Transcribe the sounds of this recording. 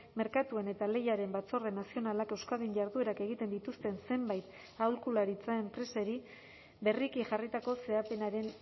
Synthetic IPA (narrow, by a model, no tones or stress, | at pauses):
me̞ɾkat̪ue̞ne̞t̪ale̞jaɾe̞mbat͡so̞re̞nːasio̞nalake̞wskaðiɲʝaɾðue̞ɾake̞ɣ̞it̪e̞nd̪it̪ust̪e̞nse̞mbajt̪ | awlkulaɾit͡sae̞mpɾe̞se̞ɾi | be̞rikiʝarit̪ako̞se̞ape̞naɾe̞n